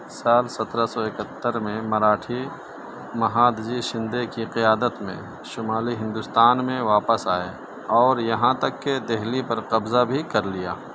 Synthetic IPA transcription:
saːlsɐt̪ɾasɔɪkət̪ːəɾmẽmɐɾaːʈʰi | mɐɦaːd̪d͡ʒiʃɪ̃nd̪ekiqɪjaːd̪ət̪mḛ̃ | ʃʊmaːliɦɪ̃nd̪ʊst̪aːnmẽʋaːpəsaːe | ɔːɾjɐɦãt̪ɐkːed̪ɛɦlipɐɾqɐbzabʱikɐɾlija̰ː

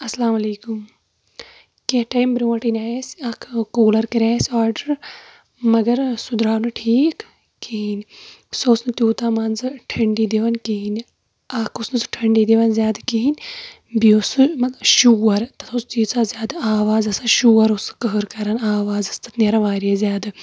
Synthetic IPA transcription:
ɐslaːmɐleːkum | keʈɐjmbɾʲoːɐʈinʲaːjeːsɐkʰkoːlɐɾkɐɾʲaːsʲaːɾɖɐɾ | mɐɡɐɾsud̪ɾaːnɨʈʰiːkː | iinʲsoːsnɨt̪ʲjuːt̪aːmɐnzɨʈʰɐɳɖiːd̪eʋɐnkiɦinʲ | ɐkʰusnɨzɨʈʰɐɳɖiːd̪eʋɐnzʲjaːd̪kiɦinʲ | biosɨmɐt̪ʃuːɐɾt̪ɐt̪ʰost͡ʃiːsaːzʲjaːd̪ɨaːʋaːzɐsɐʃuːɐɾusɨ̥kɐɦɨɾkɐɾɐnaːʋaːzɐst̪ɐt̪neɾɐʋaːɾiazjaːd̪ɨ

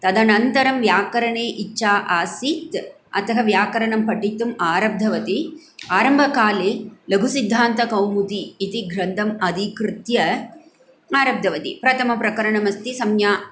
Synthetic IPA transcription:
t̪ɐd̪ɐnɐnt̪ɐɾɐmʋjaːkɐɾɐɳeːʔit͡ʃːʃaːʔaːsit̪ | ɐ̰t̪ɐɦɐʋjaːkɐɾɐɳɐmpɐʈːit̪ːumaːɾɐb̚d̪ʱɐʋɐt̪i | aːɾɐmbʱɐkaːleːlɐɡʱusid̪ʱːaːnt̪ɐkɐwmut̪iːt̪iɡɾɐnd̪ʱɐmɐd̪ikɾɪt̪jɐ | aːɾɐb̚d̪ʱɐʋɐt̪ḭpɾɐt̪ɐmɐpɾɐkɐɾɐɳɐmɐst̪isɐmjaː

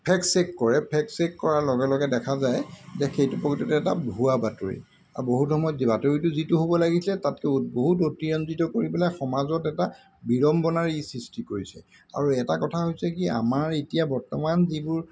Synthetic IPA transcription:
pʰɛksekkɔɹɛpʰɛksekkɔɹaɹlɔɡɛlɔɡɛdɛkʰazajzɛxejtupokʰitɔtɛɛtabʱuabato̰ɹḭ | aboɦutxɔmɔjɔtzibatoɹituzituɦobɔlaɡislɛtat̚kɛboɦut̬otiɹɔnzitɔkoɹibɛlajxɔmazɔtɛta | biɹɔmbɔnaɹisɹistikoɹisɛ̰ | a̰ɹuɛtakɔtʰaɦojsɛkia̰maɹetijabɔɹtɔmanzibʊɹ

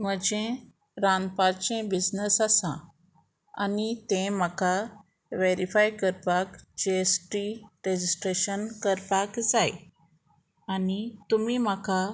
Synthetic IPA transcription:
m̤əd͡ʑẽ | ɾanpaɾt͡ɕẽbid͡znəsasã̰ | a̰nit̪ẽmaka | ʋeɾifajkəɾpakd͡ʑeesʈɾiɾed͡ʑisʈɾeɕənkəɾpakd͡zaj | anit̪umimaka

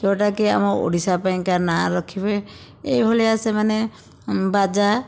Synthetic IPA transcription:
d͡ʒɔʈakia̰mɔo̰ɽisapajŋkanaɾɔkʰibe | ejɦoleasemane | bad͡ʒa

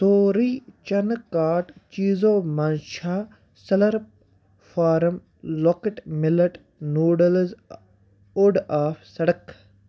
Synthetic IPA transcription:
t̪oːɾiːt͡ʃɐnkaːʈt͡ʃiːzoːmanʃaː | sɐlɐɾp | faːɾɐm | loːkəʈmɪlɐʈ | nuːɖɐlz | ʊɖaːfʰsɐɽɐk

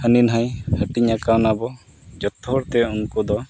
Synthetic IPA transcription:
həninɦajhəʈiɲakawnabɔ | d͡ʒɔt̪ːɔɾt̪ɛɔŋkud̪ɔ

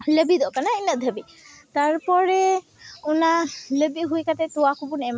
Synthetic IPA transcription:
lebid̪ɔʔkanainad̪ʱəbi | t̪aɾpɔɾe | unalebiɦujkat̪ɛt̪uakubunɛma

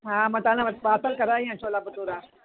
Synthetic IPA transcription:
ɦãmɐt̪anãbaːsəlkɐɾaːĩãt͡ʃʰolaːbɐt̪uːɾaː

